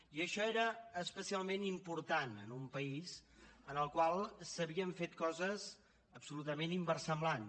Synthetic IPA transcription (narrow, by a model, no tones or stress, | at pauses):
iəʃɔeɾəːspəsialˠmenimpuɾt̪anə̰numpəizənəlˠkwalˠsəβiəɱfet̪̚kɔzəs | əpsulut̪əmenimbərsəmblan